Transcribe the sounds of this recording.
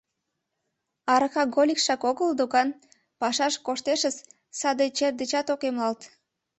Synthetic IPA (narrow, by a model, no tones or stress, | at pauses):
ɑɾəxɑɡolʲikʃɑkoɣəld̪okɑn | pɑʃɑʃkoʃt̪eʃəs | sɑd̪et͡ɕerd̪ət͡ɕɑt̪okemlɑlt̪